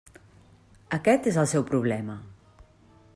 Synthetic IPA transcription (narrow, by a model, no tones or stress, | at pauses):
əkɛt̪ezəlˠsɛwpɾuβ̞lɛmə